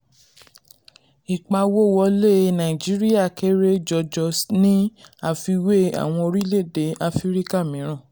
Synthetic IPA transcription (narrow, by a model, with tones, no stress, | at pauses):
i˨k͡pa˧wo˦˨wɔ˧˦le˦˨nã˨i˨d͡ʒi˦ɾi˦a˦˨ke˦ɾe˦d͡ʒɔ˧˨d͡ʒɔ˧snĩ˦a˦˨fi˧we˦a̰˨w̃ɔ̃˧o˧ɾi˦le˦˨de˨˦a˧fi˦ɾi˦ka˦˨mĩ˨˦ɾ̃ã˦˨